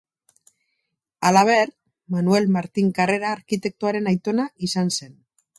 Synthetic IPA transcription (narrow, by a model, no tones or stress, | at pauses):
alaβ̞e̞ɾ | manue̞lmaɾt̪iŋkare̞ɾaːɾkit̪e̞k̚t̪uaɾe̞najt̪o̞naisanse̞n